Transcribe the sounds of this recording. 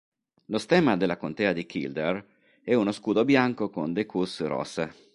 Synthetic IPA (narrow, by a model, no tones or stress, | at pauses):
lost̪ɛːmad̪elakont̪eːad̪ikʰḭld̪er | ɛunoskuːd̪objaŋkokond̪ekusɾɔ̰se